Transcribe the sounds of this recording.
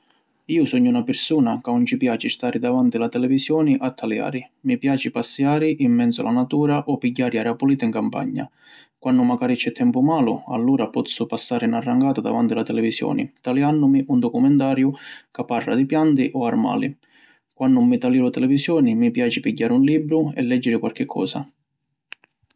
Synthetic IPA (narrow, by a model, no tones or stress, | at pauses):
iːʊsɔɲːunapɪɾsuːnakaʊnt͡ʃipjaːt͡ʃist̪aːɾɪd̪avant̪ilat̪ɛlɛvisjɔːniʔat̪ʰːalja̰ːɾɪmipjaːt͡ʃipasːjaːɾɪʔimːɛnsʊ̰lʔanat̪uːɾaʔɔpːiɟːaːɾiaɾapuliːt̪aiŋkampa̰ɲːa̰ | kwanːʊmaɡaːɾit͡ʃɛt̪ʰːɛmpʊmaːlʊ̰a̰lːuːɾapɔt̪sːʊpasːaːɾɪinarːaŋɡaːt̪ad̪a̰vant̪ilat̪ɛlɛvisjɔ̰ːnḭt̪alianːʊmiʔund̪ɔkumɛnt̪aːɾjʊkapːarːa̰d̪ipjant̪iʔɔarma̰ːli | kwanːʊmːit̪alilʊt̪ɛlɛvisjɔːnimipjaːt͡ʃɪpiɟːaːɾɪunliːbɾʊɛ̰lːɛd͡ʒːɪɾɪkwalk̟ɪkʰːɔ̰ːsa̰